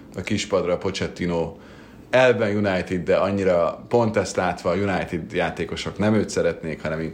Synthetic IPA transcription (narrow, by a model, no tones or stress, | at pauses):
ɒkiʃpɒd̪rɒpo̞t͡ʃɛt̪ːinoː | ɛlvɛnjunajt̪id̪ːɛɒɲːiɾɒpo̞nt̪ɛst̪laːt̪ʋɒːjunajt̪id̪jaːt̪eːkoʃo̞knɛmøːt̪sɛɾɛt̪neːkhɒnɛmiŋ